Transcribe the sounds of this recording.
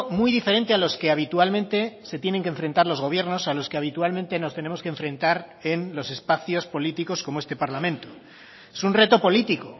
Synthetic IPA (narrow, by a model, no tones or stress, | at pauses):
mujðifeɾe̞nt̪ealo̞ske̞aβ̞it̪ualmẽnt̪e̞se̞t̪je̞neŋk̬ẽɱfɾe̞nt̪aɾlo̞zɣ̞o̞βjeɾno̞salo̞ske̞aβit̪ualment̪e̞no̞st̪e̞ne̞mo̞skeɱfɾẽ̞nt̪aɾe̞nlo̞se̞spaθjo̞spo̞lit̪iko̞skomoest̪e̞paɾlamẽnt̪o | esunre̞t̪o̞po̞lit̪iko̞